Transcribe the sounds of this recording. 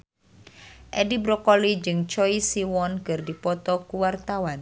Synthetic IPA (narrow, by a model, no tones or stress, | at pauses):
ʔɛdibɾɔkɔlid͡ʒɨŋt͡ʃɔisiwɔnkɨrdipɔt̪ɔkuwart̪awan